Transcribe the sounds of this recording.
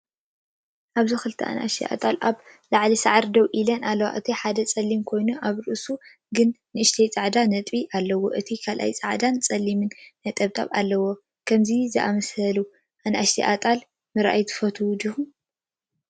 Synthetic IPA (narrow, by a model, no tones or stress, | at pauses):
ʔaβzɨxɨlt̪ʰɐ̰ʔa̰nʔa̰ʃt̪ʰiʔa̰t̪ʼalʔaβ | laʕlisaʕɾd̪ɐwʔilɐnʔalːɐwa̰ʔɨt̪ʰiħad̪ɐt͡sʼɐlːimkʰo̞jnuʔaβɾɨʔsu | ɡɨnːɨɨʃt̪ʰɐjt͡sʼaʕd̪anɐt̪ʼiʔalːɐwo̰ʔɨt̪ʰikʰalʔa̰jt͡sʼaʕd̪ant͡sʼɐlːimɨnːɐt̪ʼɐβt̪ʼa̰βalːɐwo | kʰɐmzizɨʔamɐshɐlu | ʔanʔaʃt̪ʰiʔat̪ʼal | mɨɾʔa̰jt̪ʰɨ̥fɐt̪ʰud̪ɨhu